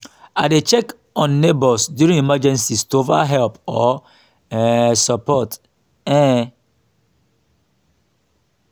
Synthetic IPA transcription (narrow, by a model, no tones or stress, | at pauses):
adet͡ʃɛk | ɔ̃nːetbɔsdjuɾĩŋimad͡ʒɛ̃nsistova̰ɦɛlpɔ | sapɔt | ɛ̃